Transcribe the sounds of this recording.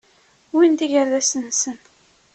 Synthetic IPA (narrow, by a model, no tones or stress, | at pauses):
wind̪iʝəɾðæsənsən